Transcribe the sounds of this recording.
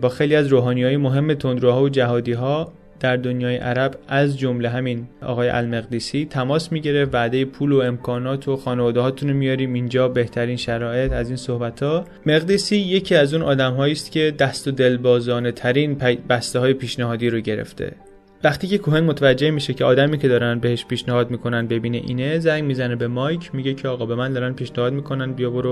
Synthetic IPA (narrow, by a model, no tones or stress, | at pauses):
bɒːxe̞jliːæzɾoːɦɒːnijɒːjemo̞ɦe̞mːe̞t̪ʰo̞nd̪ɾoɦɒːjod͡ʒæɦɒːd̪iːɦɒː | d̪̥æɾd̪o̞njɒːjḛʔæ̰ɾæbæzd͡ʒo̞mle̞ɦæminɒ̰ːɣɒːjeʔæ̰lme̞ɣd̪iːsiːt̪ʰæmɒːsmiːɟeɾefvæd̪e̞jepʰuːloe̞mkʰɒːnɒːt̪ʰoxɒːnevɒːd̪ehɒːt̪ʰunomijɒːɾiːmind͡ʒɒːbe̞ht̪ʰæɾiːnʃæɾɒːe̞t̪ʰæziːnso̞hbæt̪ʰhɒː | me̞ɣd̪iːsiːje̞cʰiːæzuːnʔɒ̰ːd̪æmɦɒːiːst̪cʰe̞d̪æst̪o̞d̪e̞lbɒːzɒːne̞t̪ʰæɾiːnpbæst̪eɦɒːjepʰiːʃneɦɒːd̪iːɾoɟe̞ɾḛft̪ʰḛ | væχt̪iːcʰe̞kʰoɦenmot̪ʰævæd͡ʒːe̞hmiːʃecʰe̞ɒːd̪æmiːcʰe̞d̪ɒːɾænd̪̚be̞heʃpiːʃnehɒːd̪miːkʰo̞nænd̪̚be̞biːnḛʔḭːnezæŋɡmiːzænebe̞mɒjcʰmiɟe̞cʰeɒːɣɒːbe̞mænd̪ɒːɾænpʰiːʃnehɒːd̪miːkʰo̞nænd̪̚bijɒboɾo